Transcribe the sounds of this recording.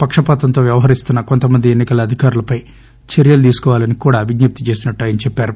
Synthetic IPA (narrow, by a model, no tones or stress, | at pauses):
pɐkʂɐpaːt̪ɐnt̪o̞ːʋjɐʋɐɦɐɾist̪unːɐko̞nt̪ɐmɐnd̪ienːikɐlɐɐd̪ʱikaːɾulɐpɐj | t͡ʃeɾjɐlud̪iːsu̥kɔːʋaːlɐnikuːɽaːʋiɡɲɐp̚t̪it͡ʃe̞ːsinɐʈːaːjɐnit͡ʃɛpːaːɾu